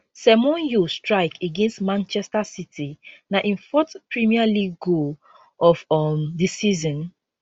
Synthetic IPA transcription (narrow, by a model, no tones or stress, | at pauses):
sɛmɔ̃njustɹaɪkeɡẽnstmãnt͡ʃɛstasitʰinaʔĩnfɔtpɹimialiɡo | ɔfɔmdisizɔ̃n